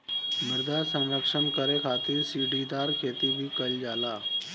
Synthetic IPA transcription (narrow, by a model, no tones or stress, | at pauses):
məɾd̪asə̃wɾəkʂəɳkəɾekʰat̪iːɾsiɖid̪aɾkʰet̪ibʱiːkəld͡zala